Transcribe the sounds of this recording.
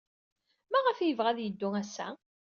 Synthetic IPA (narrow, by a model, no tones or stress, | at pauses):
mæʁəfjəvʁæðjəd̪ːʊæsːæ̰